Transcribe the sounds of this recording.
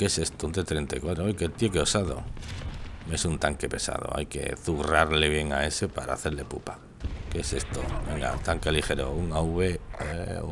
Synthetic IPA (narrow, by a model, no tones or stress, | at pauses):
keesest̪ound̪et̪ɾent̪akwat̪ɾoojket̪jekeosaðo̰ | mesunt̪aŋkepesa̰ð̞o̰a̰jkḛθuɣraɾleβjeŋaesepaɾa̰ːθelepupa | keesest̪o̰beŋɡa̰t̪aŋkelixeɾouŋauβe